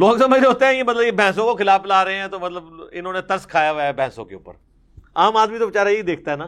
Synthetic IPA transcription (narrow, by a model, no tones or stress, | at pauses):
loːɡsəməɾɦoːt̪eɦɛ̃jemɐt̪ləbjebʱɛ̃ːs̬õkoxɪlaːflaːɾəɦẽɦɛ̃ːt̪oːmɐt̪ləbɪnõːnet̪ɐɾskʰaːjaɦobʱɛ̃ːsõ̰keʊ̰pːə̰ɾ | aːmaːd̪mit̪oʋɪt͡ʃaːɾaiid̪eːk̚ʰt̪aɦɛnaː